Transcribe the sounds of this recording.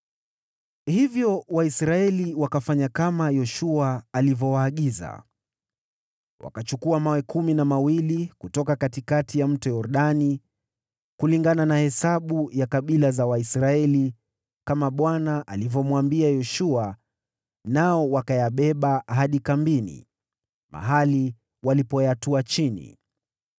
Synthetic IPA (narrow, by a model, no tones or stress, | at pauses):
hivjɔwaisɾaɛliwakafaɲakamajɔʃuaːlivɔwaːɠiza̰ | wa̰kat͡ʃukuamawɛkuminamawilikutɔkakatikatʰijam̩tɔjɔɾɗani | kuliŋɡananahɛsaɓujakaɓilazawaisɾaɛli | kamaɓwanaʔalivɔmwambiajɔʃua | naɔwakajaɓɛɓaɦaɗikambinḭ | ma̰ɦali | walipɔjatuat͡ʃinḭ